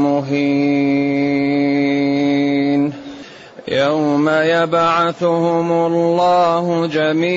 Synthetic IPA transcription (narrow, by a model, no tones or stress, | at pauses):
mʊɦiː | n | jawmajabʕaθʊhʊmʊlːɑːhʊd͡ʒamiː